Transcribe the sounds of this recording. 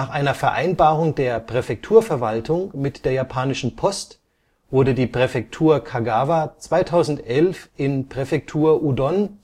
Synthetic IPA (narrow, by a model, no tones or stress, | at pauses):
aːχʔaɪnɐfɛɐʔaɪnbaːʁʊŋdeːɐpʁ̥ɛfɛk̚tʰuːɐfɛɐvaltʰʊŋmɪtd̥eːɐjapʰaːnɪʃn̩pʰɔst | v̥ʊɐdədiːpʁ̥ɛfɛk̚tʰuːɐkʰaɡaːvat͡sv̥aɪtʰaʊzn̩tʔɛlfʔɪnpʁ̥ɛfɛk̚tʰuːɐʔudɔn